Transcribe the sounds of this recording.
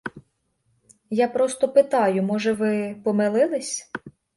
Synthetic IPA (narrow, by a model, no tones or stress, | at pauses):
japɾɔst̪ɔpɪt̪ɑjʊmɔʒɛʋɪpɔmɪlˠɪlˠɪsʲ